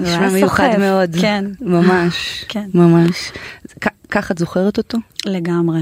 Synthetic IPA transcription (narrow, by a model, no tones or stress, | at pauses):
ʃmamejuχameo̞dkenmamaʃkenmamaʃkakaχatzoχeʁeto̞to̞leɡamʁe